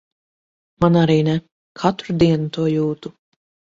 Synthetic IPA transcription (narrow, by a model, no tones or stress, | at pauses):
manaɾiːnɛ | kʰat̪ɾud̪iɛnut̪uɔjuːt̪u